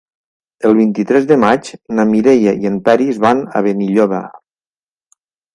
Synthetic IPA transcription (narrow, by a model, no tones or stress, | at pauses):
əlˠβint̪it̪ɾɛzðəmat͡ʃnamiɾejaiempɛɾizβana̰β̞eniʎoβa̰